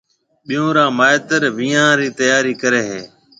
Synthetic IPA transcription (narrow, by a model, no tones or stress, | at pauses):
ɓɪjõːɾãːmaːɪt̪əɾʋiːãːɾiːt̪əjaːɾiːkəɾeːɦeː